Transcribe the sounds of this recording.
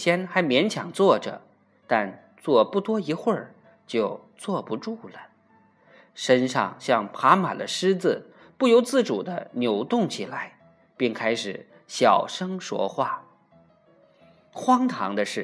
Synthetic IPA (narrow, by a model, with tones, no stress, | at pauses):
ɕjɛ˥nxa˧˥ɪmjɛ˧˥nt͡ɕʰjɑ˨˩ŋt͡swɔ˥˩ʈ͡ʂɤ̰˩ | t̪a˥˧n | t͡swɔ˥˧pu˥˩t̪wɔ˥i˧˥xwə˞˥˧ | t͡ɕjo˥˧ʊ | t͡swɔ˥˩pu˧˥ʈ͡ʂu˥˩lə˩ | ʂə˥nʂɑ̰˥˧ŋɕjɑ˥˩ŋpʰa˧˥ma̰˨˩d̪ə̰˦ʂɻ̩˥t͡sɹ̩˨ | pu˥˩jo˧˥ʊt͡sɹ̩˥˩ʈ͡ʂu˨˩d̪ə˦njo˧˥ʊt̪ʊ˥˩ŋt͡ɕʰi˨˩la˧˥ɪ | pi˥˩ŋkʰa˥ɪʂɻ̩˨˩ | ɕjɑ˨˩ʊʂɤ˥ŋʂwɔ̰˥xwa˥˩ | xwɑ˥ŋt̪ʰɑ̰˧˥ŋd̪ə˧ʂɻ̩˥˩